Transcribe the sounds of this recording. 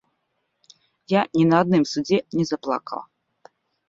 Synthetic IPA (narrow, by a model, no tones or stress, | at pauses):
janʲinɐːd̪nɨmsud͡zʲɛnʲɛzaplˠa̰kɐ̰lˠ